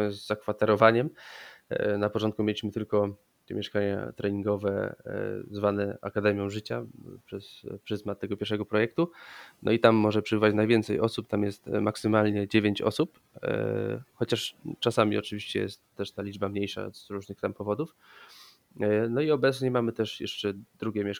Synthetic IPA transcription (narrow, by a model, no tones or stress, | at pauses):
zːakfat̪ɛɾɔvaɲɛm | napɔt͡ʂɔnt̪̚kumʲjelʲiɕmɘt̪ɘlkɔ | ɛmʲjɛʂkaɲa̰t̪ɾɛɲiŋɡɔvɛ̰ | zvanɛa̰kad̪ɛmʲjɔ̃ʐɘt͡ɕa̰pʂɛspʂɘzmat̪ːɛɡɔpʲjɛɾʂɛɡɔpɾɔjɛk̚t̪unɔ̰it̪amːɔʐɛpʂɛbɘvat͡ɕnajvʲjɛnt̪sɛjɔsup̚t̪amjɛst̪maksɘmalɲɛd͡ʑevʲjeɲt͡ɕɔ̰sup | xɔt͡ɕaʂt͡ʂasamʲḭɔt͡ʂɘviɕt͡ɕɛ̰jɛ̰st̪ːɛʂt̪alʲid͡ʐbamɲejʂa̰z̥ɾuʐnɘxt̪ampɔvɔd̪uf | nɔiɔbɛt̪sɲɛmamɘt̪ɛʂjɛ̰ʂt͡ʂɛd̪ɾuɡʲjɛmʲɛʂ